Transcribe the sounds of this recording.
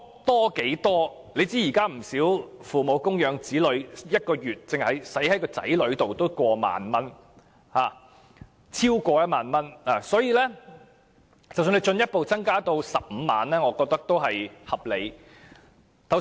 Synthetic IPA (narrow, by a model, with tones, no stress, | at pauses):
t̪ɔː˥ke˨˥jt̪ɔː˥ | le˨˧t͡siː˥jiː˨˩kaː˥m̩˨˩siː˨˥wfuː˨mo˨˧wkʊ˥ŋjœː˨˧ŋt͡siː˨˥lɵ˨˧˥ɥjɐ˥t̚kɔː˧jyː˨˩t̚t͡sɪ˨ŋhɐ˨jsɐ˨˥jhɐ˨˥jkɔː˧t͡sɐ̰˨˥jlɵ˨˧ɥt̪o˨wt̪o˥wkʷɔː˧ma̰ː˨nmɐ˥n | haː˨˩ | t͡sʰiː˥wkʷɔː˧jɐ˥t̚maː˨˧nmɐ˥naː˨˩sɔː˨˥jiː˨˧lɛː˥ | t͡sɐ˨wsy˧nle˨˧jt͡ʃɵ˧njɐ˥t̚po˨wt͡sɐ˥ŋkaː˥t̪o˧wsɐ˨p̚m̩˨˧ma̰ː˨˧nlɛː˥ŋɔː˨˧kɔː˧k̚t̪ɐ˥k̚t̪o˥wɦɐ˨jhɐ˨˩p̚le˨˧j | t̪ʰɐ˨˩w